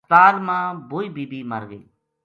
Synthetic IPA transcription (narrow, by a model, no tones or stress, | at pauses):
t̪aːlmãːboːiːbiːbiːməɾɡḛː